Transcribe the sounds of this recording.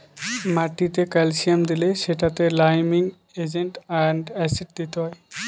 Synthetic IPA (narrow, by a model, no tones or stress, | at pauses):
maʈit̪ekalsiamd̪ileʃeʈat̪elajmiŋ | ed͡ʒeɳʈaɳɖɛsiʈ̚d̪it̪eɦɔj